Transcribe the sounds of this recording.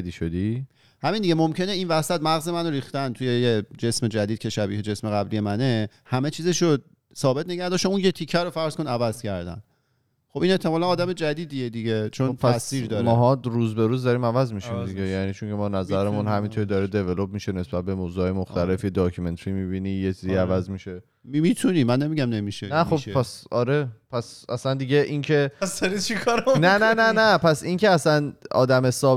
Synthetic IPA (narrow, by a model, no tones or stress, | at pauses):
ed̪iʃod̪i | hæmind̪iɡɟemomcʰe̞neinvæsæt̪mæɣze̞mænoɾiːxt̪ænt̪ʰuje̞jed͡ʒe̞sme̞d͡ʒæd̪id̪kʰcʰe̞ʃæbiːhed͡ʒe̞sme̞ɣæblije̞mæne̞ | hæme̞t͡ʃʰiːzeʃod̪̚ | sɒːbe̞t̪̚ʰne̞ɡæɾd̪ɒːʃtouːnjet̪ʰicʰːæɾofæɾz̥ko̞nævæz̥cʰæɾd̪æ̰n | χobine̞ht̪ʰːe̞mɒːlænɒːd̪æme̞d͡ʒæd̪iːd̪ijed̪iɟet͡ʃʰopʰææssiːɾd̪ɒːɾmɔɦɒɾuːzbe̞ɾuːzd̪ɒɾiːmævæzmiʃimd̪iɡejæniːt͡ʃʰoŋcʰe̞mɒːnæzæɾemunhæmint̪ʰoɾid̪ɒɾed̪e̞velob̚miːʃe̞ne̞sb̥æt̪̚be̞moːwzuhɒːje̞moxt̪ʰæle̞fjed̪ɒːkʰume̞nt̪ʰɾimiːbiːnijet͡ʃʰiziævæzmiʃe̞ | imit̪ʰunimːænːemiɟæmnemiʃenæxobpæsɒɾe̞pʰæsæslænd̪iɟe̞ʔincʰeæsæɾit͡ʃʰikʰɒɾænænænænæpʰæsincʰeæsænɒ̰ːd̪æmesɒː